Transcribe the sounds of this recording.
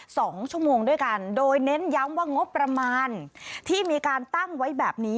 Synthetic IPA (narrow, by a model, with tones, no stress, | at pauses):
sɔː˩˦ŋt͡ɕʰu˥˩əmoː˧ŋdu˥˩jka˧ndoː˧jne˦˥nja˦˥mwaː˥˩ŋo˦˥pːɾa˧maː˧nt̪ʰiː˥˩miː˧kaː˧nt̪a˥˩ŋwa˦˥jbɛː˨˩p̚niː˦˥